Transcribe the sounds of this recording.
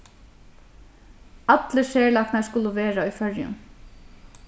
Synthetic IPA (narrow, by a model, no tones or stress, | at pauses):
ɑt̪ləʃeːɹlɑknæskʊləʋeːɹaɔjfœɹjə̰n